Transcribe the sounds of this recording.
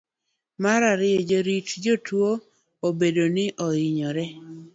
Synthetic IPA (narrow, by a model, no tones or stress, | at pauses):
maɾaɾɪed͡ʒoɾitd͡ʒotwo | obedonɪʔɔɪɲɔɾɛ